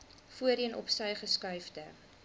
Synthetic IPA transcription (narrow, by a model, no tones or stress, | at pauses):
fuəɾiənʔɔ̰psɛjχəskœɥfdə